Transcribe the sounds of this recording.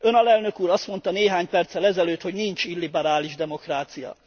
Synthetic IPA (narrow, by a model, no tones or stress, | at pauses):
ø̞nɒlɛlnø̞kuːɾɒst̪mo̞n̪t̪ɒneːɦaːɲpɛrt̪sɛlɛzɛløːt̪ho̞ɟnint͡ʃilːibɛɾaːliʒd̪ɛmo̞kraːt̪sijɒ̰